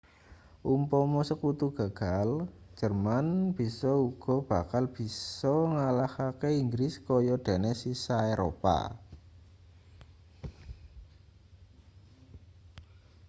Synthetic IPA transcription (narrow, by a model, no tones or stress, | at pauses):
ʔumpɔmɔsəkut̪uɡ̥ä̤ɡ̥al̥ʒ̥ə̤rmanb̥i̤sɔuɡ̥ɔ̤b̥a̤kalb̥i̤sɔŋalahakeiŋɡɾɪskɔjɔɖ̪̥e̤nesisaeɾʔo̰pa̰